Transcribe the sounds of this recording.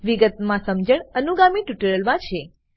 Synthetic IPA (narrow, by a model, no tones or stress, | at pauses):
ʋiɡət̪mãsəmd͡ʒəɳənuɡamiʈjuʈəɾəlmãt͡ʃʰe